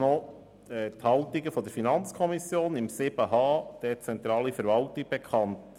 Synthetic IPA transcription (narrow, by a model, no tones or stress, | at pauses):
nɔ | ɛːthɑltiɡəfɔd̪əɾfinɑnt͡skʰɔmisjoːnɪmsɪb̥əɦɑːd̥ɛt͡sɛnt̪ɾɑːlifəɾvɑltɪɡ̚b̥ɛkʰɑnt